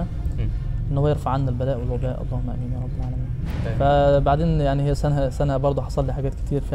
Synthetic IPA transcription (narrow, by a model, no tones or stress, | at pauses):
æ | ʔenːhwːæjeɾfaʕanːælbælæːʔwelwʊbæːʔɑ̰lˤːɑːhmæʔæmiːnjæːɾˤɑbːælʕaːlæmiːnfæbaʕd̪eːnjaʕnihejːæsænæsænæhæbɑɾˤd̪ˤoħɑsˤɑlːiːħaɡæːt̪̚kɪt̪ʰiːɾf